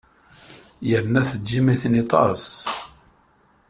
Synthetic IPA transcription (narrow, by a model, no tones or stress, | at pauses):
jəɾnæθəʒːimiθnit̪ˤɑ̰s